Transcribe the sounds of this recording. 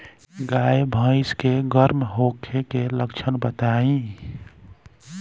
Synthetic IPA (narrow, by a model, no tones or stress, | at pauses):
ɡaːjbʱə̃ɪskeɡəɾmɦokʰekeləkt͡ʃʰənbət̪aːĩ